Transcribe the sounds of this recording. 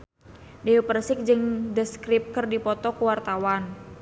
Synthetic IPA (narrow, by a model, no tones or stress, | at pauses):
deupərsɪk̚d͡ʒɨŋdəskɾɪp̚kərdipɔt̪ɔkəwart̪awan